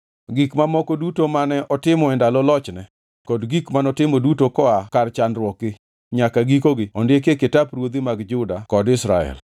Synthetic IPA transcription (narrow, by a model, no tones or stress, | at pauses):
ɡikmamɔkɔdutomanɛʔɔtɪmɔɛndalɔlɔt͡ʃnɛ | kɔdɡikmanɔtɪmɔdutokɔakart͡ʃanɾwɔkɪ | ɲakaɡikoɡɪɔndɪekekɪtapɾwod̪imaɡd͡ʒʊdakɔdɪsɾaɛ̰l